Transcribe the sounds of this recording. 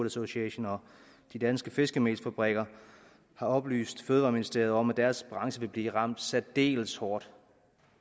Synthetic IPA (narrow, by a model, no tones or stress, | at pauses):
lˠæso̝ɕiɛɕonɒ | d̥id̥ænsɡ̥əfe̝sɡ̥əme̥ːsfæb̥ʁɛɡ̥ɐ | hɑ̈ɒ̽b̥ly̰ːsd̥føːðˠʋɑ̈minisd̥e̝̰ːɐðˠɒ̽mæd̥æɐsb̥ʁɑ̈ŋsəʋe̝b̥liːʁɑ̈m̰d̥sæd̥d̥e̝̰ːlshɒːd̥